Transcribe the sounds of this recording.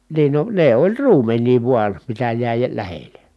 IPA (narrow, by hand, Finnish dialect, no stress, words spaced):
niːn no ne olʲ ruːmenˑiː ʋuɑn̞ mitæ jæˑi j læhele